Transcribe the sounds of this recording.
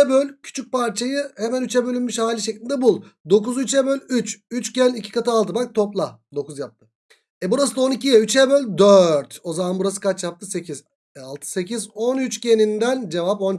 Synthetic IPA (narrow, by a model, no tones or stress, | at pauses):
ɛbølʲcʰy̥t͡ʃʰyc̚paɾt͡ʃʰajɯhe̞mænyt͡ʃɛbø̞lʲynmyʃhaːlʲiʃeclʲind̪ɛbulˠd̪o̞kuzyt͡ʃɛbølʲyt͡ʃyt͡ʃcʰɛnʲicʰi̥kat̪ɯalˠt̪ʰɯbak̚t̪ʰo̞plˠad̪o̞kuzjap̚t̪ʰɯ̥ | ɛbuɾasɯd̪ao̞nicʰijɛyt͡ʃʰɛbølʲd̪øɾt̪o̞zamanbuɾasɯ̥kat͡ʃjap̚t̪ʰɯse̞cʰiz̥ | ɛalˠt̪ʰɯ̥se̞cizo̞nyt͡ʃcʰenind̪ænd͡ʒe̞vap̬o̞n